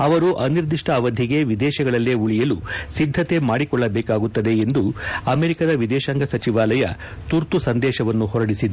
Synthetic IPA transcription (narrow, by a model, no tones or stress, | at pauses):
ɐʋɐɾuʔɐniɾd̪iʂʈɐːʋɐd̪ʱiɡe̞ʋid̪ɛːʃɐɡɐɭɐlːeuɭijɐlusid̪ʱːɐt̪e̞maːɽikɔɭːɐbɛːkaːɡut̪ːɐd̪e̞ːnd̪uɐmeːɾikɐd̪ɐʋid̪ɛːʃɐŋɡɐsɐt͡ʃiʋaːlɐjɐ̰ | t̪uɾt̪usɐnd̪ɛːʃɐʋɐnːuhɔɾɐɽisid̪ɐ